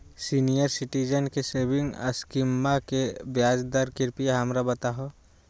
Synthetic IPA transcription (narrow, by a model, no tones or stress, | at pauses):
siːnijəɾsɪʈid͡ʒənkeseːbɪ̃ŋɡə̰skɪmːakebjaːd͡ʒd̪əɾkɪɾpijaɦɐmɾabɐt̪aɦo